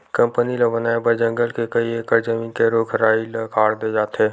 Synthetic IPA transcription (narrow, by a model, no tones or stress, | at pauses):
kɐ̃mpənilɐbənaːebəd͡ʒə̃ŋɡəlkekəiekəɾzəmĩːnkeɾoːkʰɾaːilɐkʰaːɽd̪ed͡ʒaːt̪eː